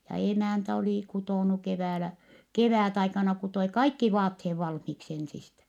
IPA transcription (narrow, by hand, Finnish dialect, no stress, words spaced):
jɑ emæˑntæ oliˑ kutoˑnu keʋæːlæ keʋæˑtɑikɑnɑ kutoi kɑikːi ʋɑːtheː ʋɑlhmiksi ensistæ